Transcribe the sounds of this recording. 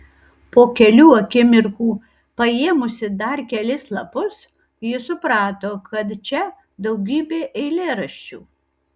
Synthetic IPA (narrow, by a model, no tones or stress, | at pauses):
poːkʲɛlʲuːɐkʲɪmʲɪɾkuː | pɐeːmʊsʲɪd̪ɐɾkʲɛlʲɪslˠɐpʊs | jɪsʊpɾɑːt̪oːkʰɐt̪t͡ʃʲɛ | d̪ɐʊɡʲiːbʲeːʔɛɪlʲeːɾɐʃʲt͡ʃʲṵː